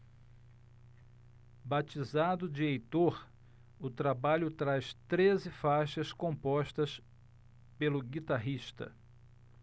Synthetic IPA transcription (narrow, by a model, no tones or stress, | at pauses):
bat͡ʃizad̪ʊd͡ʒɪejt̪oɾ | ʊt̪ɾabaʎʊt̪ɾaʃt̪ɾezɪfaʃɐskõmpɔʃt̪ɐs | pelʊɡit̪aɦiʃt̪ɐ̰